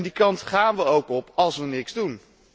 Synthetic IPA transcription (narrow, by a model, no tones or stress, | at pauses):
ndikɑntχaːnʋəowkɔpɑlˠsʋənɪkz̥dun